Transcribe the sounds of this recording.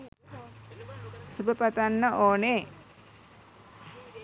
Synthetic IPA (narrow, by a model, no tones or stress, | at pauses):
subəpat̪anːəʔoːne